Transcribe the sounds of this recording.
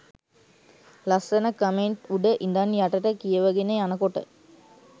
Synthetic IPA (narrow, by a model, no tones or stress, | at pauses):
lɐsɐnɐkəmeɳʈuɖəʔind̪anjaʈɐʈəkijəʋɐɡeneanəkoʈə̰